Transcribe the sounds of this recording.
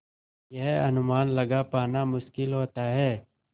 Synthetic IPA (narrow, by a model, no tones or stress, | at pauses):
jɛɦɐnʊmaːnlɐɡapaːnamʊʃkɪlɦoːt̪aɦɛː